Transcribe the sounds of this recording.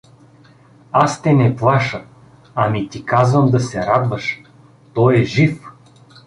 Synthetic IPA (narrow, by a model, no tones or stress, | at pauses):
ast̪ɛnɛplˠaʃə | ɐmit̪ikazvəmd̪ɐsɛɾad̪vəʃ | t̪ɔjɛʒif